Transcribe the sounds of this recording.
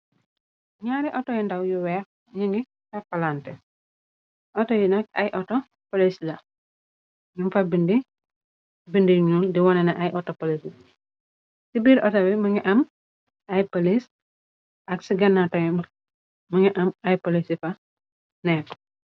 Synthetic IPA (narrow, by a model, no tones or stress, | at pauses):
ɲaɾiʔɔtɔjɛndɐwjuwɛk̚ | ɲiŋɡi | tɐpɐlantɛ | ʔɔtɔjinɐk̚ɐ̰jʔɔtɔ | polislɐ | dunfɐbindi | bindiɲuːldiwɔnɛnɐʔɐjʔɔtːɔpolisi | sibiːɾʔɔtɐwimɐŋɛʔɐm | ɐjpolis | ʔɐksiɡɐnːatɔjm | mɐŋɛʔɐmɐjpolisifɐ | nɛːk